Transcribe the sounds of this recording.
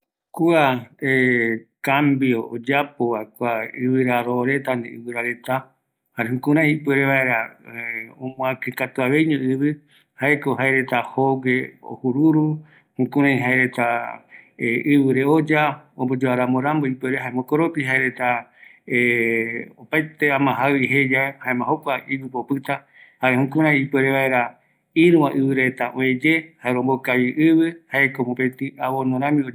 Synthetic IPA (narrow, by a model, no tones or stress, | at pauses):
kuaekambiood͡ʒapoβaekuaɨβɨɾaɾoɾe̞t̪and̪eɨ̰βɨɾaɾet̪a | haɾehũkũɾãĩipeɾeβaeɾa | õmw̃ãkɨkat̪uaβejɲõɨβɨ | haekoɦaeɾe̞t̪ahoɡeo̰huɾuɾu | hũkũɾãĩɦaeɾet̪a | eɨβɨɾeod͡ʒaombod͡ʒoaɾãmoɾamboipeɾehaemõkoɾopiɦaeɾe̞t̪ae | opajt̪eamãɦawiɦed͡ʒaehaẽmãɦokʷaiɡɨpopɨt̪a | haɾehũkũɾ̃ãj̃ipweɾeβae̞ɾa | iɾũãʔɨβɨɾe̞t̪aʔõẽd͡ʒe̞haeɾõmbokajiʔɨβɨhaekomopet̪ɨʔaβonõɾãmĩo